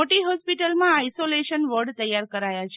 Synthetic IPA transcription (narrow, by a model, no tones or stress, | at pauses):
oʈiɦɔspiʈəlmãaisoleʃənʋəɾɖt̪əjːaɾkəɾajat͡ʃʰe